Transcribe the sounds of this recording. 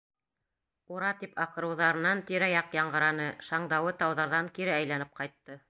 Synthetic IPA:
uɾɑt̪ipʰɑqɤ̆ɾɤ̆wðɑɾɤ̆nɑnt̪iɾæjɑqjɑɴɢɤ̆ɾɑnɤʃɑɴd̪ɑwɤt̪ɑwðɑɾðɑŋkiɾɘæjlænɘp̚qɑjt̪ːɤ

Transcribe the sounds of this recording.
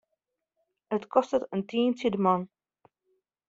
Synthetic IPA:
ətkɔstətəntiːntədəmɑn

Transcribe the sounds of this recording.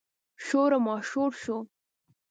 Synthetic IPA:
ʃoɾamɑʃoɽʃo

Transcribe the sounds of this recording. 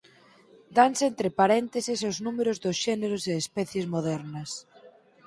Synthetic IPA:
d̪ansent̪ɾɪpaɾɛnt̪esɪsoznumeɾʊzðosʃɛneɾoseːspɛθjezmoðɛɾnɐs

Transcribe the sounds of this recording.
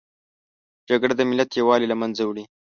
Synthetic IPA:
d͡ʒaɡɽad̪əmɪlat̪jawɑlilamanzawɽi

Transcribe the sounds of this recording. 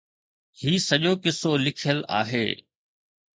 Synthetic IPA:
hiːsɐʄoːkɪsolɪkʰjəla̰ːɦḛː

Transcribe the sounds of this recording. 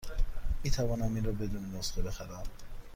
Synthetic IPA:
miːt̪ʰævɒːnæmiːnɾɒːbe̞d̪uːnenosɡebe̞xæɾæm

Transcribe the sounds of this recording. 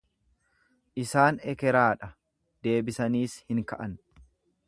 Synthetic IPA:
ʔɪsaːnɛkɛɾaːᶑɐ | d̪e̞ːbɪsɐniːshɪŋkɐʔɐn

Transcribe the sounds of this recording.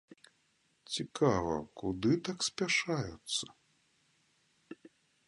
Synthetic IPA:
t͡sʲikʰavɐ̰kud̪ɨt̪aksʲpʲaʂajut̪sːɐ̥

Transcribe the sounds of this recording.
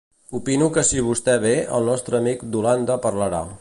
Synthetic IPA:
upinukəsiβ̞ust̪ɛβ̞eə̰lˠnɔst̪ɾəːmikd̪uland̪əpəɾləɾa̰

